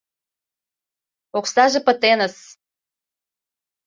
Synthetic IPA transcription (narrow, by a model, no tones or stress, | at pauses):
oksɑʒĕpə̆t̪enə̆s